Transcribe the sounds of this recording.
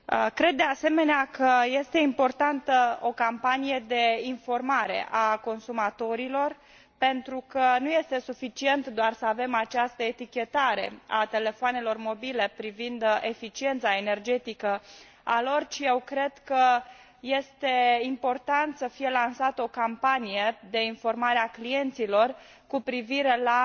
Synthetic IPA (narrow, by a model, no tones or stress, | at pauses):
əkɾe̞d̪ːe̞ase̞me̞neakəje̞st̪e̞impo̞rt̪ant̪əo̞kampanije̞d̪e̞info̞rmaɾe̞̰ʔako̞nsumat̪o̞ɾilo̞r | pe̞nt̪ɾukənuje̞st̪e̞sufit͡ʃie̞nt̪d̪oarsəave̞mat͡ʃast̪əe̞t̪ikʲe̞t̪aɾe̞̰a̰t̪e̞le̞foane̞lo̞rmo̞bile̞pɾivind̪efit͡ʃie̞nt̪sae̞ne̞rd͡ʒe̞t̪ikə | a̰lo̞rt͡ʃije̞wkɾe̞d̪̥kə | je̞st̪e̞impo̞rt̪ant̪səfije̞lansat̪əo̞kampanije̞d̪e̞info̞rmaɾeaklije̞nt̪silo̞r | kupɾiviɾe̞la